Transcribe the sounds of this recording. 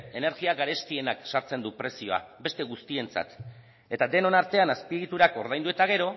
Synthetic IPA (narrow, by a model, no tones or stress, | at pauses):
e̞ne̞ɾɣiaɣaɾe̞st̪ie̞naksaɾt͡se̞nd̪upɾe̞sio̞a̰be̞st̪e̞ɣust̪ie̞nt͡sa̰t̪ | e̞t̪ad̪e̞no̞naɾt̪e̞anaspiɣit̪uɾako̞ɾðajnd̪ue̞t̪aɣ̞e̞ɾo̞